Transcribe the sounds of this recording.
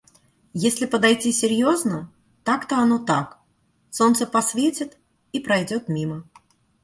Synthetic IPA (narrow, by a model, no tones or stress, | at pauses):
jesʲlʲɪpəd̪ɐjtʲisʲɪɾʲjo̞znə | t̪akt̪oɐnot̪ak | so̞nt̪səpɐsvʲetʲɪt̪ | ipɾɐjdʲo̞t̪mʲimə